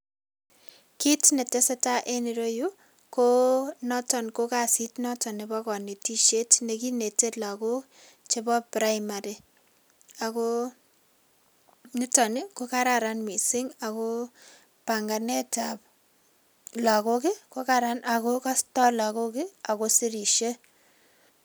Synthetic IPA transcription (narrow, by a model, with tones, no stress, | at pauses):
ki˦tne˨te˦se˦ta˦ʔe˦ni˨ɾo˦ju˦ | ko˦nɔ˦tɔ˨nko˦ka˨si˦tnɔ˦tɔ˨nɪ˨bɔ˦kɔ˨ne˨ti˦ʃe˦tne˨ki˦ne˨te˦tla˨ko˦k | t͡ʃe˦bɔ˦pɾa˦ɪma˨ɾɪ˨ | a˨ko˦ | nɪ˦tɔ˨nɪ˦ko˦ka˦ɾa˨ɾa˦nmi˨sɪ˦ŋa˨ko˦ | pa˨ŋɡa˨ne˦tap | la˨ko˦kɪ˦ko˦kaɾa˦na˨ko˦ka˦stɔ˦la˨ko˦kɪ˦a˨ko˦si˦ɾi˨ʃe˦